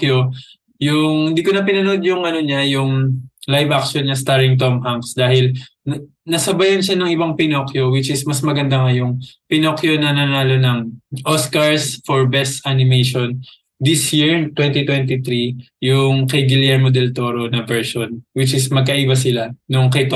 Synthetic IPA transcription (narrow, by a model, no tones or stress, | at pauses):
jo | jʊŋhɪnd̪iːkonɐpɪnɐno̞d̪jʊŋʔɐno̞ɲajʊŋlajvʔak̚ʃonɲɐst̪aɹɪŋt̪omʔaŋksd̪aːhɪl | nɐsɐbajɐnʃanɐŋʔɪbaŋpɪnokjo̞wɪt͡ʃɪsmɐsmɐɡɐnd̪aŋɐjʊŋpɪnokjo̞nɐnaɐnaːlo̞nɐŋʔoskɐɹsfoɹbɛst̪ʔanɪmejʃon | d̪isjiɹt̪wɛnt̪it̪wɛnt̪it̪ɾi | jʊŋkɐjɡɪlɛɹmod̪ɛlt̪oɾo̞nɐvɛɹʃonwɪt͡ʃɪsmɐɡ̚kɐʔibɐsɪlanʊŋkɐjt̪